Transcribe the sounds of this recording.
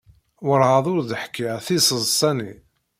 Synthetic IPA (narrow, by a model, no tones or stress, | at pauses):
wəɾˤʁɑðˤʊɾðəħkːiʁθisˤəzˤsˤɑni